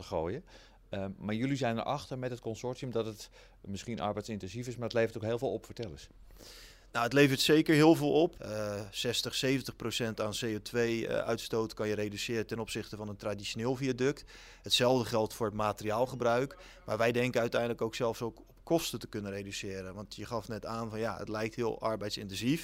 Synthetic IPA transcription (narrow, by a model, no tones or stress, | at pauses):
əχoːjə | maːɹjylizɛjnə̰ɹʔɑχtəɹmɛtɦət̚kɔnsɔɹtiəmdɑtət | mɪsχinʔɑ̰ɹbɛjtsɪntɛnzifɪsmaːɹətlejvəɹtokɦeːlˠvɪːlˠɔpfəɹtɛləs | nowətlejvəɹtsejkəɹɦɪːlˠvoːlˠɔpsɛstəχsejvəntəχprowsɛntaːnsejotʰʋejœ̰ɥtstowtkɑnjəɾejdysɪːɾətɛnɔpsɪχtəvɑnəntradiʃoneːlˠfijədɵkt | ətsɛlˠvdəχɛlˠtfʊːɹətmaːtəriaːlˠχəbrœɥk | maːɹʋɛjdɛŋkəœɥtɛjndələkowksɛlˠfsokɔp̚kɔstətəkɵnənrejdysɪːɾənʋɑntjəχɑfnɛtaːnvɑnjaə̰tlɛjk̚tɦɪːlˠɑ̰ɹbɛjtsɪ̰ntɛnzif